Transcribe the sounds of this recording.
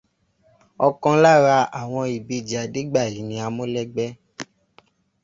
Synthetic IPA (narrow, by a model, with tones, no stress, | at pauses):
ɔ˧kɔ̃˧˦la˦ɾa˧a˨w̃ɔ̃˧i˨bi˧˨d͡ʒi˨a˨de˦ɡ͡ba˦˨ji˨˦nĩ˧a˧mõ˦lɛ˦ɡ͡bɛ˦